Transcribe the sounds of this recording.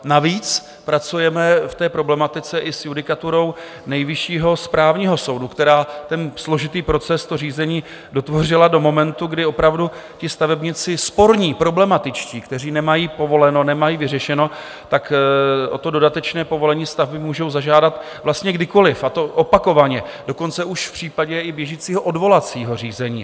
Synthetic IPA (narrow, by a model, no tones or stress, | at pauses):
naviːt͡s | pɾat͡sujɛmɛft̪ɛːpɾo̞blɛmat̪ɪt͡sɛʔɪsjudɪkat̪uɾo̞w | nɛjvɪʃiːɦo̞spɾaːvɲiːɦo̞so̞wdukt̪ɛɾaːt̪ɛnslo̞ʒɪt̪iːpɾo̞t͡sɛst̪or̝iːzɛɲiː | do̞t̪vo̞r̝ɪlado̞mo̞mɛnt̪uɡdɪo̞pɾavdu | cɪst̪avɛbɲɪt͡sɪspo̞ɾɲiːpɾo̞blɛmat̪ɪt͡ʃciːkt̪ɛr̝iːnɛmajiːpo̞vo̞lɛno̞nɛmajiːvɪr̝ɛʃɛno̞ | t̪akʔo̞t̪o̞do̞dat̪ɛt͡ʃnɛːpovo̞lɛɲiːst̪avbɪmuːʒo̞wzaʒaːdat̪ | vlast̪ɲɛɡdɪkolɪfʔat̪o̞ʔopako̞vaɲɛdo̞ko̞nt͡sɛʔuʃfpr̝̥iːpaɟɛɪbjɛʒiːt͡siːɦoʔo̞dvo̞lat͡siːɦo̞r̝iːzɛɲḭː